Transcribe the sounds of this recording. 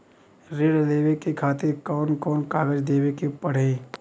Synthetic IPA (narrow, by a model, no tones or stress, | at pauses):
ɾɪɽleːʋekikʰaːt̪ekɔːnkɔːnkaːɡəd͡ʒd̪eːwekipɐɽ̤e